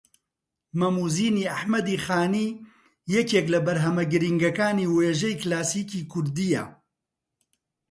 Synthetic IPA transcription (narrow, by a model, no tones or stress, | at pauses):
mɐmuːziːniːɐħmɐd̪iːxaːniː | jɛkeːklɐbɐɾɦɐmɐɡɨɾiŋɡɐkaːniːweːʒɐjklaːsiːkiːkʰʊɾd̪ijɐ̰